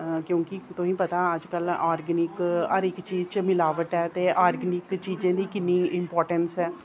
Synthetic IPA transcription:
kjõːkɪt̪ʊsĩːpət̪aːəd͡ʒkəlaːɾɡənɪkɦəɾɪkt͡ʃiːzt͡ʃmɪlaːʋəʈɛːt̪eːʔaːɾɡənɪkt͡ʃiːd͡ʒẽːd̪iːkɪnːiːɪmpɔːɾʈənsɛː

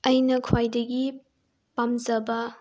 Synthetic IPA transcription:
ɐjnɐkʰwajdɐɡi | pamzɐbɐ

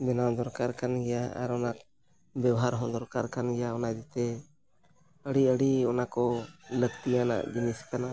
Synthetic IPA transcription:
bɛnawd̪ɔɾkaɾkanɡɛjaa̰ɾɔnak̚ | bɛwɦaɾɦɔ̃d̪ɔɾkaɾkanɡɛjaɔnad̪it̪ɛ | əɽiəɽiɔnakɔləɡt̪ijana̰ʔd͡ʒiniskanaʔ

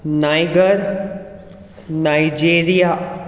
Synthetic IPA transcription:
naːjɡəɾ | naːid͡ʒeːɾija

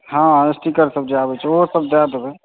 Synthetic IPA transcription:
hãesʈikəɾsəb̚d͡ʒabɛt͡ʃʰɛoɦsəb̚d̪ad̪bɛ

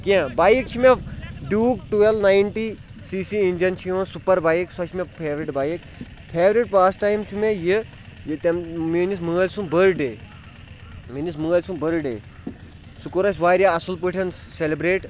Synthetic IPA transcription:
kʲẽbaːjik̚t͡ʃʰimʲefɖuːkʈuelnajinʈi | siːsiinʲd͡ʒɐnt͡ʃʰijõːsupɐɾbaːjiksɐt͡ʃʰimʲepʰeːʋɾiʈbaːjik | pʰeːʋɾiʈpaːsʈaːjmt͡ʃʰumejɨ | jt̪ɐmminismɨːɐlʲsumbəɾʈɖeː | minismɨɣɐlʲsumbəɾɖḛː | sukuɾɐsʲʋaːɾʲjaɐsulp̬ɨʈʰʲɐnselibɾeːʈ

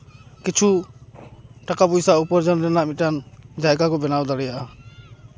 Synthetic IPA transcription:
kit͡ʃʰu | ʈakapujsaupɔɾd͡ʒɔnɾɛnaʔmit̪̚ʈand͡ʒajɡakɔbɛnawd̪aɾɛjaʔa

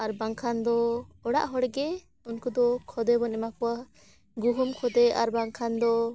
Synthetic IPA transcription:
aɾbaŋkʰand̪ɔɔɽa̰ʔɦɔɽɡɛ | unkud̪ɔkʰɔd̪ɛbɔnɛmakɔwa | ɡuɦumkʰɔd̪ɛaɾbaŋkʰand̪ɔ

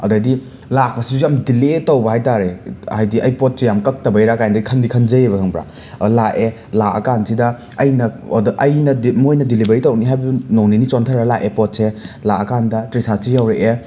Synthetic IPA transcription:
ɐ̰dɐdi | lak̚pɐsiujamdiletɐwbɐɦajtaɾehajdiʔɐjpot̚sejamkɐk̚tɐbɐjɾakajndɐikʰɐnbikʰɐnd͡ʒɐjeβɐkʰɐŋbɾa̰ | laʔe | laɐ̰kansidɐ | ɐjnɐ̰dʔɐjnɐdmojnɐdilibɐɾitɐwniɦajbnowninit͡ʃontʰaɾalaʔepɔt̚selaɐkandɐtɾisʰasijawɾeʔe

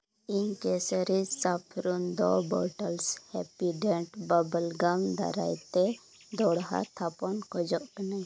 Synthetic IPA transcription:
inkesəɾisapʰɾund̪ɔ̰bɔ̰ʈəlshɛpiɖɛɳʈbabəlɡamd̪a̰ɾa̰jt̪e | d̪ɔɽɦa̰t̪ʰapɔnkɔd͡ʒɔʔkəna

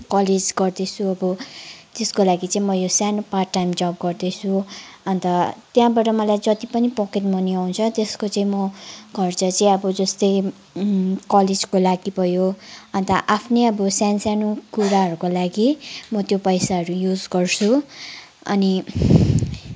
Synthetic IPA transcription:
kʌled͡zɡʌrd̪ʌt͡sʰuʌbʌt̪eskolaɡit͡saĩmʌjosanopaːajmd͡zʌp̚ɡʌrd̪ʌt͡sʰuʌnt̪ʌt̪jãbaɾʌmʌlajd͡zʌt̪ipʌnipʌkeʈmʌniaw̃t͡sʰʌt̪eskot͡saĩmʌɡʱʌrt͡sʌt͡saĩʌbʌd͡zʌst̪ʌj | kʌled͡zkolaɡibʱʌjoʌnt̪ʌʔapʰneʌbʌsansjanokuɾaɦʌɾukolaɡimʌt̪jopʌjsaɦʌɾujud͡zɡʌrt͡sʰu | ʌ̰ni

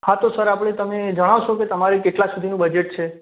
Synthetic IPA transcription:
hat̪osəɾapɽ̃et̪əmed͡ʒəɽ̃aʋʃoket̪əmaɾekeʈlasud̪ʱinũbəd͡ʒeʈ̚t͡ʃʰe

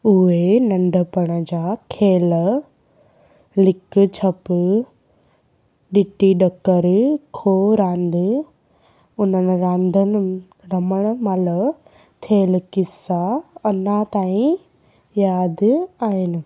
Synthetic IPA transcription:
ʊɦenɐ̃ɳɖʱəpɐɽ̃ə̆d͡ʑaːkʰeːl | lɪkt͡ɕʰɐp | ɗɪʈiɗɐkəɾkʰoːɾãːnd̪ | ʊn̤ənɪ̆ɾãːnd̪ʱən | ɾɐməɽ̃maːlə | t̪ʰeːlkɪsaɐnat̪aːĩ | jaːd̪aːɦɪnɪ̆

